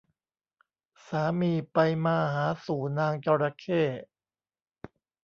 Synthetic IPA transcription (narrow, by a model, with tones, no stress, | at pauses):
saː˩˦miː˧pa˧jmaː˧ɦaː˩˦suː˨˩˦naː˧ŋt͡ɕaː˧ɾaː˧kʰeː˥˩